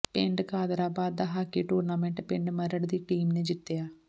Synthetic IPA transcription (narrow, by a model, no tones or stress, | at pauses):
pɪ̃ɳɖkaːd̪ɾaːbaːd̪̚ːaːɦaːkiːʈuːɾnaːmɛ̃ːɳʈpɪ̃ɳɖməɾəɽd̪iːʈiːmneːd͡ʒɪt̪ːejaː